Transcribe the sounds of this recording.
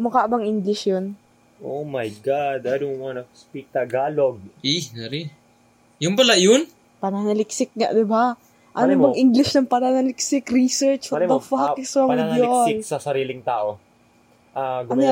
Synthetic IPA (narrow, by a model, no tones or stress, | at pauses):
mɐkaʔbɐŋʔiŋɡlɪʃjon | ʔomɐjɡad̪ɐdʊmanɐkspit̪ɐɡaːloɡ̚inɐɾi | jʊnpɐlajʊn | pɐnanɐlɪksɪk̚ŋa̰ʔd̪ɪba | ʔɐnoʔɪbɐŋʔɪŋɡlɪʃnɐŋpɐnanɐlɪksɪkɾisɛɹt͡ʃsɐɐnɐfɐɪsɾɐŋɪdnjosɪlksɐsɐɾiːlɪŋt̪aːʔo̞ | ʔaɡɐn